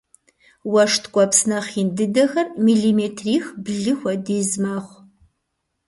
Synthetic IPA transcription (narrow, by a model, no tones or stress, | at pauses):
wɐʂtʰkʷʼɔpsnɐχiːndɨdɐxɐrmiːɮimeːtʰriːxbɮɨxʷɐdeːzmaːχʷ